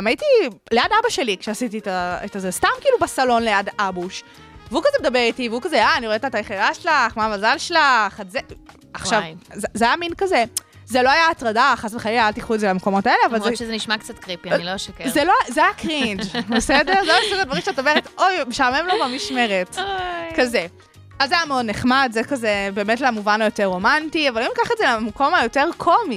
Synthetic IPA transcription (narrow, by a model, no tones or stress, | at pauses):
majitileadabaʃe̞likʃeasititaetazestamkiːlubasalo̞nlejadabuʃ | veukazemed̪abeʁitiveukazeaaniʁetatajeχeʁaʃlaχmavazalʃlaχatze | aχʃavzzeajaminkaze | zelo̞ajaːtʁadaχasveχalilajaltiχuetzelameko̞mo̞taeleavalʃezeniʃmakt͡satkʁipianiloʃakezeloazeajakʁind͡ʒbesede̞ʁzeaeʃutad̪vaɐʁimʃeato̞meetojmeʃalmemlovamiʃmeʁetkaze | azzeajameodneχmadzekazebe̞ːmetleamuvanlojoteʁːo̞mantiavalimikaχetzelamko̞majo̞te̞ʁkʰo̞mi